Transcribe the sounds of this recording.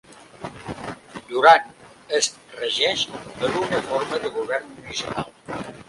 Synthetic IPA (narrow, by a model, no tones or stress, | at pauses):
d̪uɾan | əs | rəʒɛʃəɾunəfoɾməðəɣuβ̞ɛrnmunisipa̰lˠ